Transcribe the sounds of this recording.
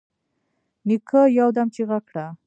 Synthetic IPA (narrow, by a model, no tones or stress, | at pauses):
nikʰəjawd̪amt͡ʃeɣakɽa